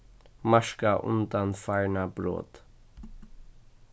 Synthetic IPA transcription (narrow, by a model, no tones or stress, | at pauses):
maʃkaʔʊ̰nd̪anfaɪɳabɾo̰ːt̪